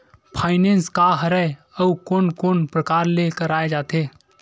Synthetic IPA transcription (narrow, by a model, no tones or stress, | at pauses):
pʰaːɪneːnskaɦəɾɛe | əukoːnkoːnpɾəkaːɾlekəɾaːed͡ʒaːt̪ʰe